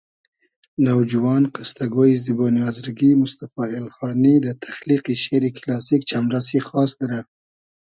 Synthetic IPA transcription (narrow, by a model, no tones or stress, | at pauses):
nawd͡ʒuwɑnqast̪aɡojziboniɑzɾɡimʊst̪afɑɪlxɑnid̪ət̪ʰḁxliqiʃeɾiklɑsikt͡ʃamɾas̬exɑsd̪aɾa